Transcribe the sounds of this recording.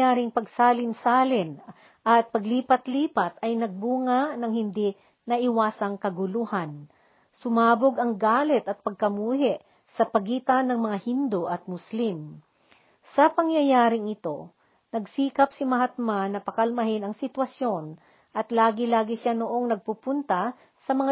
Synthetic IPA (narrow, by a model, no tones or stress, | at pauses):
aːɾɪŋpɐɡsaːlɪnsaːlɪn | ʔɐt̪̚pɐɡliːpɐt̪liːpɐt̪ɐjnɐɡ̚buːŋanɐŋhɪnd̪i | nɐʔɪwaːsɐŋkɐɡʊluhan | sʊmaːboɡɐŋɡaːlɛt̪ɐt̪̚pɐɡ̚kɐmuːɦɛʔ | sɐpɐɡiːt̪ɐnːɐŋmɐŋahind̪oʔɐt̪̚mʊslim | sɐpɐŋjɐjaːɾɪŋɪt̪o̞ | nɐɡsiːkɐpsɪmɐɦɐt̪̚manːɐpɐkɐlmɐɦɪnɐŋsɪt̪wɐsjo̞n | ʔɐt̪laːɡɪlaːɡɪʃanoʔo̞ŋnɐɡ̚pupʊnt̪ɐ | sɐmɐŋa